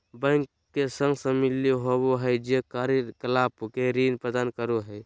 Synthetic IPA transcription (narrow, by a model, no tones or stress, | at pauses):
bə̃ŋk | kesə̃ŋɡsəmiliɦoboɦəjd͡ʒekaɾkəlapkeɾinpɾəd̪ankəɾuɦəj